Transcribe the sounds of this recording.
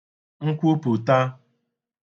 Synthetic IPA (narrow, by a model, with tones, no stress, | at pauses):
ŋ̩˦kʷu˦pu˨ta˦